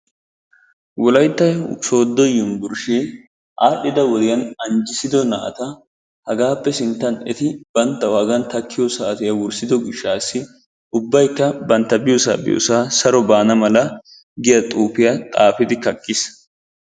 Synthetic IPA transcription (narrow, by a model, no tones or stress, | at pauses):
wɔlɐjt̪ːɐjso̞ːd̪ːɔjːʊnbʊɾʃe | ʔaːɗɛd̪ɐwɔd̪ɪjɐnɐnd͡ʒɪsɪd̪ɔnɐʔɐ̰t̪ɐ | hɐɡaːpːɛsɪnt̪ːɐnɛt̪ɪb̥ɐnt̪ːɐwaːɡɐnt̪ɐkʰːɪjɔsɐʔt̪ɪjɐwʊɾsɪd̪ɔɡɪʃːaːsːɪ | ʊbːɐjkːɐbɐnt̪ːɐbɪjɔsa̰ːbɪ̰jo̰saːsɐɾɔbaːnɐmɐlɐ | ɡɪjɐt̪ʼuːpɪjɐt̪ʼaːfɪd̪ɪkɐkʼːɪs